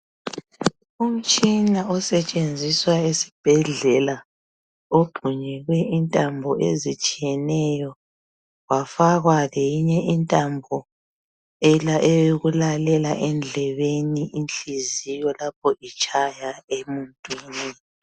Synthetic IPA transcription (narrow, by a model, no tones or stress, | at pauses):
um̩t͡ʃʼinaɔsɛt͡ʃʼend͡zʱiswaesi̥b̥ʱɛɮɛla | oɡ͡ǃʱuɲɛɣwɛʔintʼambʱɔʔḛzit͡ʃʼijɛnɛjɔ | ɣwafaɣwalejiɲɛintʼambʱɔ | ɛlaʔɛweɣulalɛlaʔɛnd͡ɮʱɛβeniʔinɬʼizijɔlap̚ʰɔʔit͡ʃʼʰajaemuntʼwiːni